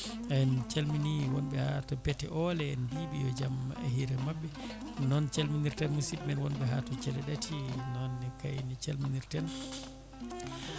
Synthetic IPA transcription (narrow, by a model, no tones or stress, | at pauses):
ɛnt͡ʃelminiwɔnbɛhatɔpɛtɛ̰ʔɔlɛɛnbibijɔd͡ʒamɛ̰hiɾɛmabːɛ | nɔnt͡ʃelminiɾtɛnmusitmɛnwɔnbɛɦatɔt͡ʃɛlɛɗatʰinɔnɛkajnit͡ʃelminiɾtɛn